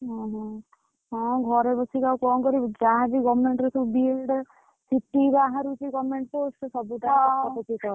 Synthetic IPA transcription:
ɦɔ̃ɦɔ̃ | ɦɔ̃ɡʱɔɾebɔsikawkɔnkɔɾid͡ʒaɦabiɡɔbmeɳʈɾɔsubilɖ | siʈːiɡaɦaɾut͡ʃikɔmeɳʈposʈsɔbuʈaaɔpɔt͡ʃikɔɾ

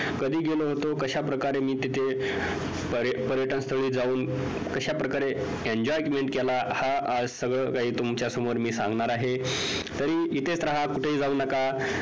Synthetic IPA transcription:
kəd̪ʱiːɡeloɦot̪okəɕapɾəkaɾemiːt̪it̪ʰe | pəɾpəɾjəʈənst̪ʰoɭiːd͡zauːn | kəɕapɾəkaɾe | eɲd͡ʑɔjkmeɳʈkɛlahaəd͡zsəɡɭəkaɦiːt̪umt͡ɕjasəmoɾmiːsãŋɡɳaɾaɦe | t̪əɾiːit̪ʰest̪ɾəɦakuʈʰeiːd͡zauːnəka

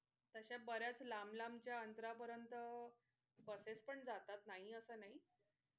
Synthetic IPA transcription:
t̪əɕabəɾjat͡slamlamt͡ɕjaənt̪ɾapəɾjənt̪ə | kəsespəɳd͡zat̪at̪naɦiəsəːnaɦi

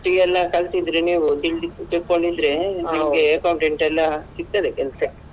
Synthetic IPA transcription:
ʈiɛlːɐkɐlt̪id̪ɾeniːʋut̪iɭt̪iɭkoɭɖid̪ɾe̞nimɡeɐkɐwɳʈeɳʈɛlːɐsiɡ̚t̪ɐd̪ekɛlɐsɐ

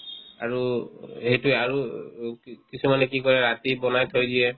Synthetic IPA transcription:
a̰ɹuhejtuaɹu | kisumanɛkikɔɹɛɹat̪ibɔnajt̪ʰojdijɛ

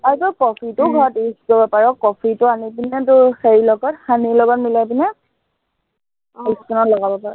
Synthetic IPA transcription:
aɹikɔkɔpʰitʊɡʱɔɹɔtisikɔbɔpaɹɔkɔpʰitʊanipinɛtʊxeɹilɔɡɔtxanilɔɡanmilajpinɛ | iskɔnɔtlɔɡabɔpaɹɔ̰

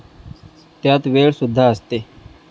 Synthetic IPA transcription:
t̪jaːt̪ʋeːɭsʊd̪ʱːaːəst̪eː

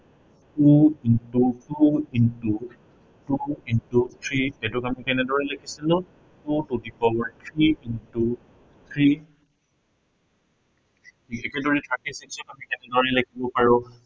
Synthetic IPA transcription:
tuintutuintu | tuintut̪ʰɹiɛdʊkamikɛnɛdɔɹɛlakʰisilʊ̃ | tutudikɔwɔɹt̪ʰɹiintu | t̪ʰɹi | iɛkɛdoɹitʰɹakisiksɔkamikɛnɛdɔɹɛlakʰibɔpaɹʊ

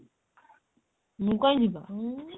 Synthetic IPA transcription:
mũkʷand͡ʒiba

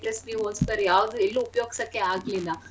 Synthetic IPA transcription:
plesbiɦoːspɐɾjaːʋd̪uelːuːpjoːɡisɐkːeaːɡlilːɐ

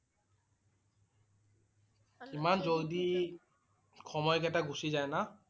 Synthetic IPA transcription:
kimanzodi | kʰɔmɔjkɛtaɡusizajna

